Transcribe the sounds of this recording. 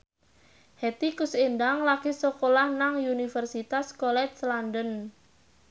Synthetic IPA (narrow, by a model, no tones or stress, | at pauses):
hɛt̪ikusendaŋlakisokolahnaŋunifərsit̪askolɛt͡ʃslandən